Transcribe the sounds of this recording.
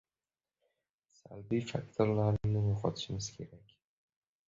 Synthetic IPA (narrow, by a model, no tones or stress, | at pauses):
salbifakt̪ʰoɾlaɾnɪŋnɪmʊχɒt̪ɪ̥ʃɪmɪz̥kʲʰe̞ɾakʲ